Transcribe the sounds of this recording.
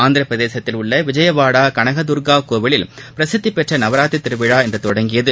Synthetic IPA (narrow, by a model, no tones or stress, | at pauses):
aːnd̪ɪɾɐpɾɐðeːsɐt̪ːɪlʊɭːɐʋɪd͡ʒɐjɐʋaːɽaːkɐɳɐɣɐd̪ʊɾɡaːkoːʋɪɭɪlpɪɾɐsɪd̪ːipːɛʈrɐnɐʋɐɾaːt̪ːit̪ːɪɾɯʋɪɻaːɛndrɐt̪ɔɽɐŋɡɪjɐðɯ